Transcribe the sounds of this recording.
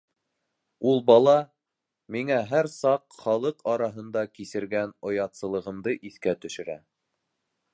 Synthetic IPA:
ulˠbɑlˠɑ | miŋæɦæɾsɑqχɑlˠɤqɑɾɑɦɤ̆nd̪ɑkisɘ̆ɾɡænŏjɑt̪sɤ̆lˠɤ̆ʁɤ̆md̪ɤʔiθkæt̪ɵ̆ʃɘ̆ɾæ̰

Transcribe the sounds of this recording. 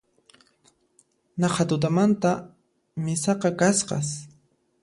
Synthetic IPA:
nɑqad̪ʊd̪amant̪a | mɪsɑqɑkasqɑ̰s

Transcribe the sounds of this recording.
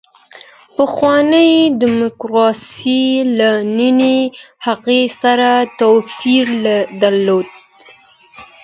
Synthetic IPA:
pəxwɑnəjd̪ɪmʊkɾɑsilaninehaɣesaɾat̪owfiɾlad̪aɾlod̪̚

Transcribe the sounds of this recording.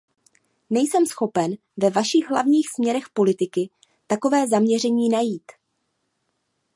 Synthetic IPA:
nɛjsɛmsxo̞pɛn | vɛvaʃɪɣɦla̰vɲiːxsmɲɛɾɛxpo̞lɪt̪ɪkɪ | t̪ako̞vɛːzamɲɛr̝ɛɲiːnajiːt̪

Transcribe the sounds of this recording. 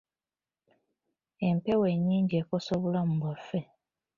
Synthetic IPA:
empeweɲːiːɲɟekosoβulamuβafe

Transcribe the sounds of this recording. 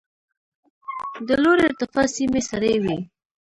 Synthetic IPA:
d̪əloɾeɾt̪ɪfɑsimesaɾejwi

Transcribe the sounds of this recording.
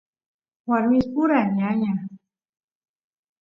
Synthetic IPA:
waɾmɪspʊɾaɲaɲa

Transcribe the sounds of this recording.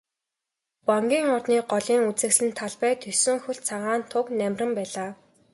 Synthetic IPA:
pɔŋɡʲiːŋɔrtniːɢɔɮiːŋut͡sɘ̆ksɘ̆nt̪ʰaɮpæːt̪ʰɵsɵ̆ŋxɵɬt͡sʰaʁaːnt̪ʰʊknæmʲrʲə̆mpæːɮaː

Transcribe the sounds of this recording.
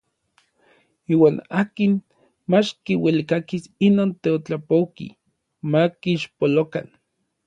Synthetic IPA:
iːwaːnaːkin | mat͡ʃkiwelikakisinoːnt̪eot͡ɬapowkḭ | makiːʃpoloka̰n

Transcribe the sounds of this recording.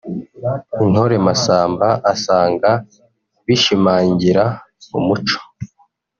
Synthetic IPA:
in̥ho̞ɾe̞masaːmbaʔasaːŋɡa | βiʃimaːɲɟiɾa | mumut͡ʃo̥

